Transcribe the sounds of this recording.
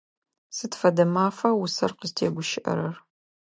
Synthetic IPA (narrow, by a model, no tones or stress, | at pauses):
sɨtfɐdɐmaːfɐwʊsɐ̰rqəztʰeːɡʷʊʃɪʔɐ̰ɾɐr